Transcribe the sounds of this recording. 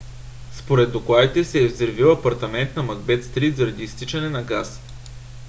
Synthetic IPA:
spoɾɛd̪ːoklˠad̪it̪ɛsɛːvzɛɾviwɐpɐɾt̪ɐmɛnt̪nɐmɐɡbɛt̪st̪ɾit̪zɐɾɐd̪iːst̪it͡ʃɐnɛnɐɡas

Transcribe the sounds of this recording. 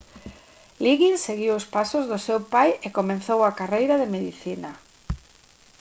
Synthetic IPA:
liɣinseɣiwʊspasʊzðʊsewpajekomẽnθowakarejɾaðemeðiθina

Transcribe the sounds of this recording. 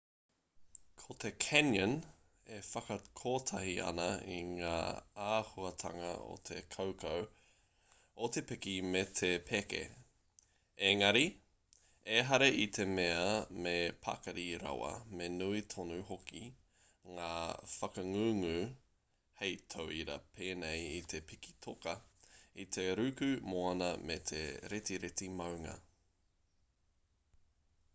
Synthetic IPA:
kʰot̪ʰekʰɛnjɐn | efɐkɐkʰoːt̪ʰɐhiʔɐ̰nɐḭŋa̰ːaːhuɐt̪ʰɐŋɐ̰o̰t̪ʰḛkʰowkʰow | ot̪epekimet̪ʰepʰekḛ | eŋɐɾi | eɦɐɾeʔit̪ʰemeɐmepʰa̰kɐɾiɾɐ̰wɐ̰menuit̪ʰonʉhoki | ŋaːfɐkɐŋʉŋʉ | hejt̪ʰowiɾɐ̰pʰeːnejit̪ʰe̞pʰiki̥t̪ʰokɐit̪ʰe̞ɾʉkʉmoɐnɐmet̪ʰḛɾet̪iɾet̪imɐwŋɐ̰

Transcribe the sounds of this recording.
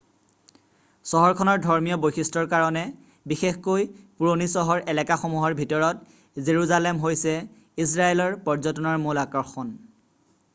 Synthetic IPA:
sɔɦɔɹkʰɔnɔɹdʱɔɹmijɔbojxistɹɔɹkaɹɔnɛ | bixexkojpuɹonisɔɦɔɹɛlɛkaxɔmuɦɔɹbʱitɔɹɔt | zeɹuzalɛmɦojsɛ | is̬ɹaelɔɹpɔɹzɔtɔnɔɹmulakɔɹxɔn

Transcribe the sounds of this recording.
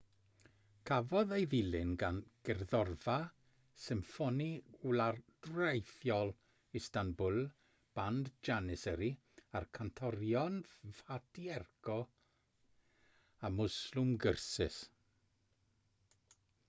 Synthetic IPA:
kʰavɔðejðɪlɪnɡanɡ̥ɛrðɔrva | sɪmfɔniwlard̥rejθjɔlˠ | istanbʊlˠ | b̥andd͡ʒanɪsəɾi | arkʰantʰɔɾjɔnv̥adiɛrɡʰɔ | amʊslʊmɡərsɪ̰s

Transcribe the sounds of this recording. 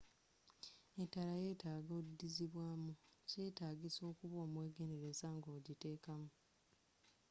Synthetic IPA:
etːalaje̞ːtaːɡoːdːiziβwaːmuce̞ːtaːɡiso̞ːkuβo̞ːmwe̞ːɡe̞ne̞ɾe̞zaŋɡoːɟite̞ːkamu

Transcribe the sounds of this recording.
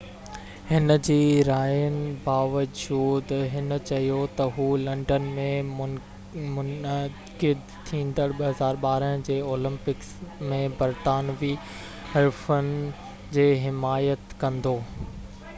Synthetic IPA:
hɪnəd͡ʑiːɾaːjənɪ̆baːʋəd͡ʑuːd̪ɦɪnət͡ɕɐɦijot̪ɐɦuːlɐ̃ɳɖənmẽʊ | mʊn | kɪd̪ | t̪ʰĩːn̆d̪əɽɓɐɦɐzaːɾɓaːɾəɦd͡ʑeːoːlɪ̃mpɪksmẽbɐɾt̪aːnʋi | hɐɾfənɪ̆ | d͡ʑeːɦɪmaːjət̪kɐ̃nd̪oː

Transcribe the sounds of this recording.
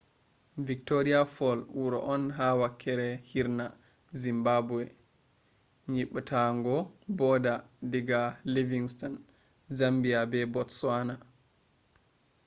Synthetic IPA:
vik̚toɾiafɔlwuɾɔ̰ʔɔnɦawakʰːɛɾɛhiɾna | zimbabuɛ | ɲiɓatʰaŋɡɔbɔdadiɡaliviŋstɔn | zambiabɛbɔtswana

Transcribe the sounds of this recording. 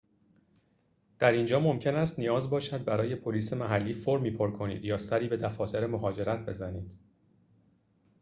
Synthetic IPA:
d̪̥æɾind͡ʒɒːmo̞mcʰe̞næst̪nijɒːzbɒːʃæd̪̚bæɾɒːje̞pʰo̞liːse̞mæɦælːiːfoɾmiːpʰo̞ɾkʰo̞nḭːd̪jɒːsæɾiːbe̞d̪æfɒːt̪ʰe̞ɾemo̞ɦɒːd͡ʒe̞ɾæt̪̚ʰbe̞zæniːd̪̥

